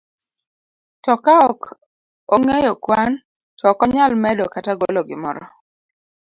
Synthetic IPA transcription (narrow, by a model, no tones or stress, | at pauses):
tɔkaɔk | oŋejokwan | tɔkɔɲalmɛdɔkataɡolɔɡɪmɔɾɔ